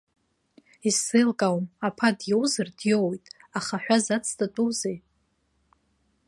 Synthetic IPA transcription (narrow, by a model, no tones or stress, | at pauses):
isɨlkʼawmapʰadjewzɨrdjowjtʼaχaħʷᶣazat͡sʰtʰʼatʼuwzej